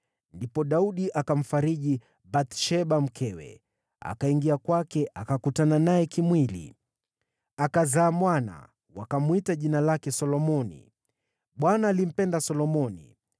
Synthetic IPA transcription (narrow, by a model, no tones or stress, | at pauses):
ndipɔɗauɗiʔakam̩faɾiʄi | bat̪ʃɛɓam̩kʰɛwɛ̰ | a̰kaiŋɡiakwakɛʔakakutananajɛkimwilḭ | akazaːmwana̰ | wakamwitaʄinalakɛsɔlɔmɔnḭ | ɓwanaːlim̩pɛndasɔlɔmɔnḭ